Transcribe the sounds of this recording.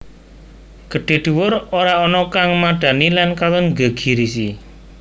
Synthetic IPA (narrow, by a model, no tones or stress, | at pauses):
ɡ̥ə̤ɖ̥e̤ɖ̥̪uwʊɾoɾaɔnɔkaŋmaɖ̥ä̤nilankawəŋŋɡə̤ɡ̥i̤ɾis̬i